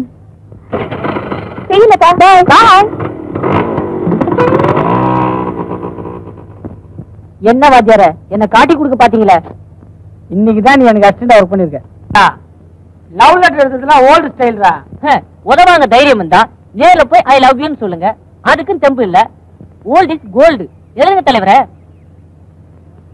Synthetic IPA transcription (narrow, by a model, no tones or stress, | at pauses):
sɛɪjɯŋɐtaːbaːt̪ãː | ɛnːɐʋaːt̪jaːɾɛɛnːɐkaːʈ̬ːikːɔɽɯk̬ːɯpaːɾt̪iːŋɡɐɭɐ | ɪnːɪk̬ːɯt̪̬ãːnĩːɛnɐkːɯɐs̚t͡ʃɛɳɖɐʋɐɾk̚pɐɳnːɪɾɯkːɐ̃ | aː | lɐʊlɐʈːɪɾɯnd̪ɐðɐlãːoːlɖɪsʈɐɪlɾãː | ɔðɐʋaːŋɡɐd̪ɐjɪɾɪjɐmɯnd̪ãː | neːlɐpːoːjʔɐjlɐɡɪjʊnːɯsɔlːɯŋɡɐ | ɐðɯkːɯ̃t̪ɛmbɯɪlːɐ | oːlɖɪsɡoːlɖɯ | ɛlɯɣɯŋɡɐt̪ɐlɐɪʋɐɾɛ